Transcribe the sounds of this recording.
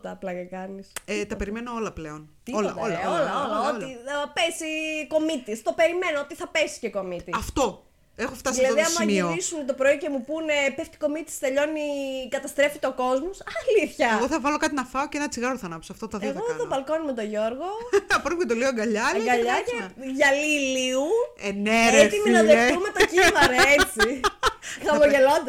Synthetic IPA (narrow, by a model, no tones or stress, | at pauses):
t̪ɐːplɐcekɐniset̪ɐpe̞ɾimenoo̞lɐpleo̞nt̪iolɐ̰olɐolɐolɐoiɐpesiko̞mit̪ist̪o̞pe̞ɾime̞noot̪iθɐpesi̥ceko̞mit̪iɐft̪o̞ | e̞xoft̪ɐssilɐðiɐmsɐmioisunet̪o̞pɾo̞ice̞mupunepeft̪i̥ko̞mit̪i̥st̪e̞ʎo̞nikɐt̪ɐst̪ɾe̞fit̪eo̞ko̞zmosɐliθçɐɣoθɐvɐlokɐt̪inɐfɐocenɐt͡siɣɐɾoθɐnɐpo̥soɐft̪ot̪ɐðiɣoðopɐlko̞numet̪o̞ʝo̞ɾɣo̞ɐpɾonet̪oleoɡɐʎɐeɡɐʎɐeʝɐliliueneɾet̪iminɐðet̪umet̪ɐciivɐɾɐet͡si | ɣɐmoʝelo̞nd̪ɐ